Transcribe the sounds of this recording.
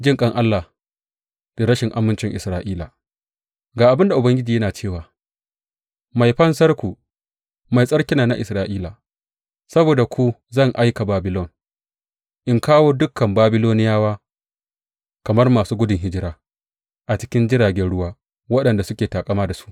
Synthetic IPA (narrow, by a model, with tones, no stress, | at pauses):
d͡ʒɪ˦ŋkʼɐ˦˨ŋʔa˦lːa˨ | d̥a˨ɾɐ˦ʃɪ˨ŋʔa˦mːɪ˦nt͡ʃɪ˨ŋʔɪ˨sɾaː˦ʔiː˦la˨ | ɡaː˨ʔa˨bɪ˦nda˨ʔʊ˨bɐ˦ŋɡʲɪ˦d͡ʒiː˨jɐ˦naː˨t͡ʃeː˦˨waː˨ | ma˨jɸɐ˦nsɐ˦rkʷu˨ | ma˨jsʼɐ˦ɽkʲɪ˦naː˨na˦ʔɪ˨sɾaː˨ʔiː˦la˨ | sɐ˦boː˨da˨kʷu˦zɐ˦˨ŋʔa˦jka˨baː˨bɪ˦lɔ˦˨n | ʔɪ˦ŋkaː˦woː˦dʊ˦kʰːɐ˨mbaː˦bɪ˦loː˦nɪ˦jaː˦waː˦ | kɐ˨mɐ˦rmaː˨suː˦ɡʷʊ˦dɪ˨ŋɦɪ˦d͡ʒɪ˦ɾaː˦ | ʔa˨t͡ʃɪ̥˦kʲɪ˦nd͡ʒɪ˦ɾaː˨ɡʲɛ˦nɽʊ˦waː˦ | wɐ˦ɗɐ˨nda˨sʊ˦kʲeː˨taː˨kʼɐ˦maː˦da˨su̥˦ʔ